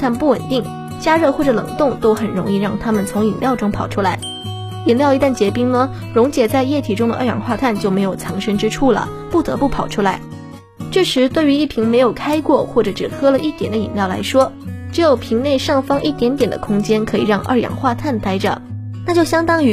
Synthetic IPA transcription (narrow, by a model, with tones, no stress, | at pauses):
t̪ʰa˥˩npu˥˩wə˨˩nt̪i˥˩ŋ | t͡ɕja˥ɻɤ˥˧xwɔ˥˩ʈ͡ʂɤ˩lɤ̰˨˩ŋt̪ʊ˥˩ŋt̪o˥ʊxə˨˩nɻʊ˧˥ŋi˥˧ɻɑ˥˩ŋt̪ʰa˥mə˨nt͡sʰʊ˧˥ŋi˨˩nljɑ˥˩ʊʈ͡ʂʊ˥ŋpʰɑ˨˩ʊʈ͡ʂʰu˥la˧˥ɪ | i˨˩nljʊi˧˥t̪a˥˩nt͡ɕjɛ˧˥pi˥ŋnə˧ | ɻʊ˧˥ŋt͡ɕjɛ˨˩t͡sa˥˧ɪjɛ˥˩t̪ʰi˧˥ʈ͡ʂʊ˥ŋd̪ə˧ə˥˩jɑ̰˨˩ŋxwa˥˧t̪ʰa˥˩˧nt͡ɕjo˥˩ʊme˧˥ɪjo˨˩ʊt͡sʰɑ˧˥ŋʂə˥ŋʈ͡ʂɻ̩˥ʈ͡ʂʰu˥˩lə̰˩pu˥˩t̪ɤ̰˧˥pu˥˩pʰɑ˨˩ʊʈ͡ʂʰu˥la˧˥ɪ | ʈ͡ʂ̩˥˩ʂɻ̩˧˥t̪we˥˩ɪy˧˥i˥˩pʰi˧˥ŋme˧˥ɪjo˨˩ʊkʰa˥ɪkwɔ˥˩xwɔ˥˩ʈ͡ʂɤ˧˩ʈ͡ʂɻ̩˨˩xɤ˥lə˨ʔi˥˩t̪jɛ˨˩nd̪ə˦ḭ˨˩nljɑ˥˩ʊla̰˧˥ɪʂwɔ˥ʈ͡ʂɻ̩˧˥jo˨˩ʊpʰi˧˥ŋne˥˧ɪʂɑ˥˩ŋfɑ˥ŋʔi˥˩t̪jɛ˧˥nt̪jɛ˨˩nd̪ə̰˦kʰʊ˥ŋt͡ɕjɛ˥nkʰɤ˧˥ḭ˨˩ɻɑ˥˧ŋʔə̰˥˩jɑ̰˨˩ŋxwa˥˧t̪ʰa˥˩nt̪a˥ɪʈ͡ʂə̰˩˦ | na˥˧t͡ɕjo˥˩ɕjɑ˥ŋt̪ɑ˥ŋy˧˥